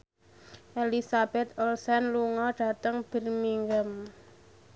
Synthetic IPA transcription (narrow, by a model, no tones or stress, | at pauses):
ʔelisab̥ɛt̪olsɛnluŋɔɖ̥a̤t̪əŋb̥ə̤rmiŋɡəm